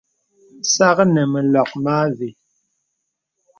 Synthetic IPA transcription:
sa˦ɣə˦nɛ˨mɛ˨lɔ˨k̚maː˦vi˨

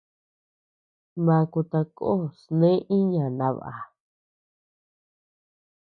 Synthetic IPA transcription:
mã˧ku˧t̪a˧ko˦o˦˨snẽ˦ʔĩ˦ɲã˨nã˧˦βa̰˨a˨

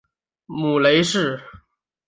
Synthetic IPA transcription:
mu˨˩le˧˥ɪʂɻ̩˥˩

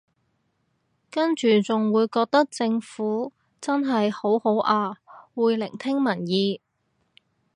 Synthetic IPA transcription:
kɐ˥nt͡ʃyː˨t͡sʊ˨ŋwuː˨˧jkɔː˧k̚t̪ɐ˥k̚t͡sɪ˧ŋfuː˨˥ | t͡sɐ˥nɦɐ˨jho˨˥who˨˥wʔaː˧wuː˨˧jlɪ˨˩ŋt̪ʰɪ˥ŋmɐ˨˩njiː˨˧

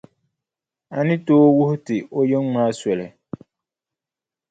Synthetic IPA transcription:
a̰˨nɪ˦toː˦wʊ˦hʊ˦tɪ˨o˦je˦ŋmaː˦swɛ˨lɛ˨

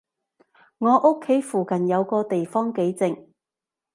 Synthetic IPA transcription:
ŋɔː˨˧ʔʊ˥kʰːe˨˥jfuː˨˩kɐ˨˩njɐ˨˧wkɔː˧t̪e˨jfɔː˥ŋke˨˥jt͡sɪ˨ŋ

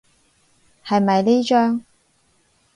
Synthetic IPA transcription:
hɐ˨jmɐ˨jliː˥t͡ʃœː˥ŋ

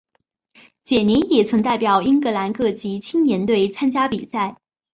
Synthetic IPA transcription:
t͡ɕjɛ˨˩ni˧˥njɛ˨˩t͡sʰwə˧˥nt̪a˥˩ɪpjɑ˨˩ʊi˥ŋkɤ˧˥la˧˥nkɤ˥˩t͡ɕi˧˥t͡ɕʰi˥ŋnjɛ˧˥nt̪we˥˩ɪt͡sʰa˥nt͡ɕja˥pi˨˩sa˥˩ɪ

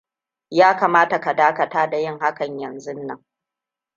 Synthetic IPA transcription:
jaː˦kaː˨maː˦ta˨ka˨daː˦kɐ˨taː˦da˨jɪ˦˨ŋha˦kɐ˨ɲjɐ˨nzʊ˦nːɐ˨˦ŋ

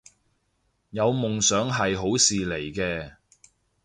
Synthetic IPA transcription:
jɐ˨˧wmʊ˨ŋsœː˨˥ŋɦɐ˨jɦo˨˥wsiː˨le˨˩jkɛː˧

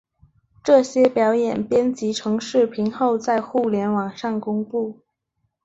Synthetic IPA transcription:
ʈ͡ʂɤ˥˩ɕjɛ˥pjɑ˧˥ʊjɛ˨˩npjɛ˥nt͡ɕi˧˥ʈ͡ʂʰɤ˧˥ŋʂɻ̩˥˩pʰi˧˥ŋxo˥˧ʊt͡sa˥˧ɪxu˥˩ljɛ˧˥nwɑ˨˩ŋʂɑ˥˩ŋkʊ˥ŋpu˥˩

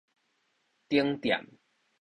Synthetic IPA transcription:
t̪i˦əŋt̪ja̰˨m

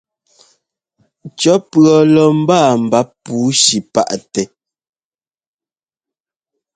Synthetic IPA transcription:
t͡ʃɔ˨˦pɰɔ˨lɔ˨m̩˦baː˦˨m̩˨ba˦puː˨˦ʃi˨pa̰˦ʔtɛ˨

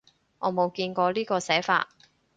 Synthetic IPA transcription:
ŋʔɔː˨˧mo˨˧wkiː˧nkɔː˧liː˥kɔː˧sɛː˨˥fa̰ː˧t̚

